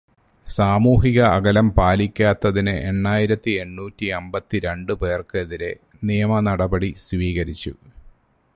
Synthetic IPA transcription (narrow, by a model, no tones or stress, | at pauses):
saːmuːɦiɣɐːɡɐlɐmpaːlikʲːaːt̪ːɐðinɨʔe̞ɳːaːjiɾɐt̪ːie̞ɳːuːtːiembɐt̪ːiɾe̞ɳɖɨpe̞ːrkɨeðiɾe̞ | nijɐmɐnɐɽɐbɐɽisʋiːɣɐɾit͡ɕːṵ